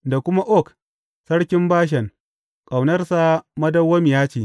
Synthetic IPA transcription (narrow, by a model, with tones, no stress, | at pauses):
da˨kʷʊ˦ma˦ʔɔ˦˨k | sɐ˦ɽkʲɪ˦mbaː˦ʃ̬ɛ˨ŋ | kʼa˨wnɐ˦rsa˦mɐ˦dɐ˦wːɐ˦mɪ˨jaː˦t͡ʃiː˨